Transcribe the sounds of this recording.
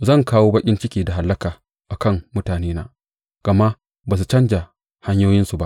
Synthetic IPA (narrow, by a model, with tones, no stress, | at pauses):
zɐ˦˨ŋkaː˦woː˦bɐ˦kʲʼɪ˦nt͡ʃɪ˦kʲiː˨da˨ɦa˨˦lːɐ˦kaː˨ | ʔa˨kɐ˦˨mmʊ˦taː˨neː˦na̰ː˦ | ɡ̥ɐ˨ma˦ | baː˨s̬u˨t͡ʃɐ˦nd͡ʒa˨ | ha˦ɲjoː˦jɪ˦nsu˨ba˦ʔ